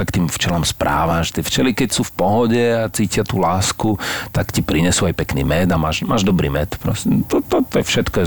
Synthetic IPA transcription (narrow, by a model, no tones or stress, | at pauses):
akt̪iːmft͡ʃɛlɔmspɾʔa̰ːʋaʒɛt̪iɪɛft͡ʃɛlikɛcsuːfpɔɦɔɟɛat͡siːcɪat̪ulaːskut̪akcipɾiɲɛsuajpɛknḭːmɛd̪amaːʒmaːʒd̪ɔbɾḭːmɛt̪pɾɔ̰sɛt̪ɔt̪ɔt̪ɔɛfʃɛt̪kɔjɛ